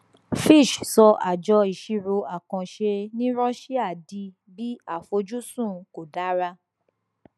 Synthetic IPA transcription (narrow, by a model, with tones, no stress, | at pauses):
fi˦˨ʃsɔ˧ʔa̰˨d͡ʒɔ˧i˨ʃi˧ɾo˧a˨kã˧ʃe˧nĩ˦ɾɔ˦ʃi˦a˦˨di˧ | bi˦a˦˨fo˧d͡ʒu˦sũ˦˨ko˨da˨˦ɾa˧